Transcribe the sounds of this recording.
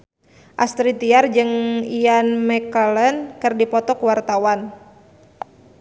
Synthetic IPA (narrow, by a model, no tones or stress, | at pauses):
ʔast̪ɾit̪iard͡ʒɨŋianmɛkələnkɨrdipɔt̪ɔkuwart̪awan